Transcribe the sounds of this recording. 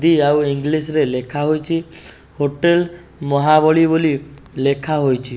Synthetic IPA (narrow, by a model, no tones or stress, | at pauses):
d̪iawiŋɡlis̬ɾelekʰaɦojt͡ʃʰi | hoʈel | mɔɦabɔɭibolilekʰaɦojt͡ʃʰi